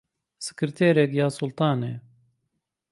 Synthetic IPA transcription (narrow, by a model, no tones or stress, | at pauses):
sɨ̥kɨɾt̪ʰeːɾɛkjaːsʊlt̪ɑːneː